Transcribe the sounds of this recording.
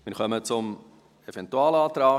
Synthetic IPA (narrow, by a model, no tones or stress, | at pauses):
mɪɾχœmət͡sʊm | evɛntuɑːlɑːtɾaː